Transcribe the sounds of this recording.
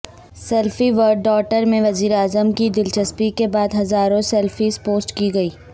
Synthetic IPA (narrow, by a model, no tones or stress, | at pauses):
sɛlfiʋəɾɖːɔːkʈəɾmẽʋɐziːɾeaːzəmkid̪ɪlt͡ʃɐspikebaːd̪ɦɐzaːɾõsɛlfispoːsʈkiɡɐiː